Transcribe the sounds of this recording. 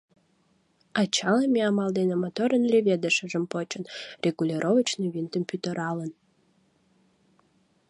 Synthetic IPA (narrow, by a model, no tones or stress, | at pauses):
ɑt͡ɕɑləmʲeɑmɑld̪enemot̪oɾənlʲeβʲed̪əʃəʒəmpot͡ɕənrʲʔeɡulʲiɾʔoβət͡ɕniβint̪əmpyt̪əɾɑlən